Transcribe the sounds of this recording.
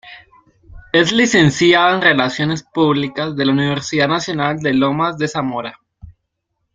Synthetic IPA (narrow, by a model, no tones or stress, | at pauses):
e̞zlise̞nsjaðoenre̞lasjo̞ne̞spuβlikazðe̞launiβeɾsiðaðnasjo̞nald̪e̞lo̞mazðe̞samoɾa